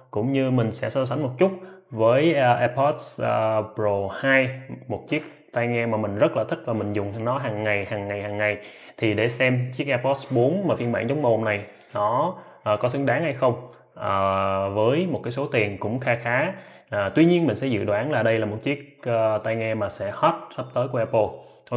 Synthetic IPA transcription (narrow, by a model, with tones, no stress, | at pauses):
kʊ̰˧˥ŋ͡mɲɨ˧mï˨˩ŋ̟sɛ̰˧˥sɔ˧s̬a˨˦jŋ̟mo˨˩t̚t͡ɕʊ˦˥t̚vəː˨˦jʔa˧pʰɔ˦˥t̚spzo˨˩haː˧jmo˨˩t̚t͡ɕi˦˥ək̚ | t̪a˧jŋɛ˧maː˨˩mï˨˩ŋ̟zə˦˥t̚laː˨˩t̪ʰï˦˥k̚vaː˨˩mï˨˩ŋ̟zʊ˨˩ŋ͡mnɔ˨˦ɦaː˨˩ŋːa˨˩jhaː˨˩ŋːa˨˩jhaː˨˩ŋːa˨˩j | t̪ʰi˨˩ɗe˧˩sɛ˧mt͡ɕi˦˥ək̚ʔɛ˧pɔ˦˥t̚sɓo˨˦nmaː˨˩fi˧ənɓa̰ː˧˩ŋt͡ɕɔ˨˦wŋ͡mmo˨˩ŋ͡mna˨˩j | nɔ˨˦ | ʔːkɔ˨˦sɨ˨˦ŋɗaː˨˦ŋha˧jxə˧wŋ͡m | ʔəː˨˩vəː˨˦jmo˨˩kaː˨˦jso˨˦t̪i˨˩ənkʊ̰˧˥ŋ͡mxaː˧xaː˨˦ | ʔəː˨˩t̪wi˧ɲi˧ənmï˨˩ŋ̟sɛ̰˧˥zɨ̰˧˨ɗwaː˨˦nlaː˨˩ɗə˧jlaː˨˩mo˨˩t̚t͡ɕi˦˥ək̚ːt̪a˧jŋɛ˧maː˨˩sɛ̰˧˥hɔ˦˥t̚sə˦˥p̚t̪əː˨˦jku˧˩əʔɛ˧pə˧